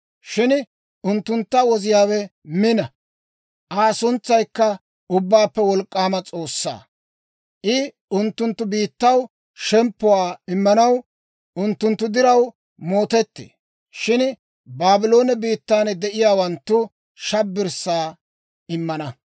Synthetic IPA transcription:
ʃɪn | ʊnt̪ːʊnt̪ːɐwɔzɪjaːwɛmɪnɐ | ʔaːsʊnt͡sːɐjkːɐ | ʊbːaːpːɛwɔlkʼːaːmɐt͡sʼo̞ːsːa̰ː | ʔɪ | ʊnt̪ːʊnt̪ːʊbiːt̪ːɐw | ʃɛmpːʊwaːɪmːɐnɐw | ʊnt̪ːʊnt̪ːʊd̪ɪɾɐw | mo̞ːt̪ɛt̪ːḛː | ʃɪn | baːbɪlo̞ːnɛbiːt̪ːaːnd̪ɛʔɪjaːwɐnt̪ːʊ | ʃɐbːɪɾsːaː | ɪmːɐnɐ

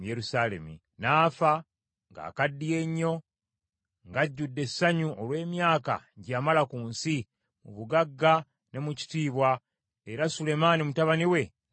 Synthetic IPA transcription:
je̞ɾusaːle̞̰mḭ | naːfa | ŋɡa̰ːkadːije̞ɲːo̞ | ŋɡaɟːudːe̞sːaɲuʔolwe̞ːmjaːka̰ɟaːmalakuːnsi | mṵβuɡaɡːa | ne̞muci̥tiːβwa | e̞ɾasule̞maːnimutaβaniwe̞

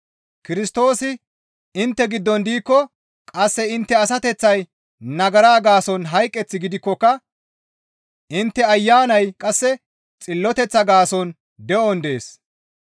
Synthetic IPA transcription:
kɪɾɪst̪o̞ːsɪ | ɪnt̪ːɛɡɪd̪ːɔnd̪iːkːɔ | kʼɐsːɛɪnt̪ːɛɐs̬ɐt̪ɛt͡sːɐj | nɐɡɐɾaːɡaːsɔnɦɐjkʼːɛt͡sːɪɡɪd̪ɪkːɔkːɐ | ʔɪnt̪ːɛɐjːaːnɐjkʼɐsːɛ | t͡sʼɪlːɔt̪ɛt͡sːɐɡaːsɔn | d̪ɛʔɔnd̪e̞ːs

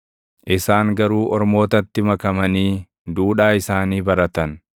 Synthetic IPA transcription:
ʔɪsaːŋɡɐɾuːʔɔɾmo̞ːt̪ɐt̪ːɪmɐkɐmɐniː | d̪uːᶑaːɪsaːniːbɐɾɐt̪ɐn

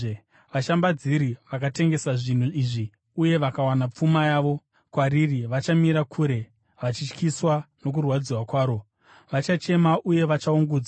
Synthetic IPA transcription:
e | ʋaʃambad͡ziɾiʋakate̞ŋɡe̞saʐin̤uiʐi | uje̞ʋakawanap͡fumajaːʋo̞ | kwaririʋat͡ʃamiɾakʰuːɾe̞ | ʋat͡ʃit͡ʃkiswano̞k̬urwad͡ziwakwaːɾo̞ | ʋat͡ʃat͡ʃe̞maʔuje̞ʋat͡ʃauŋɡuːd͡za

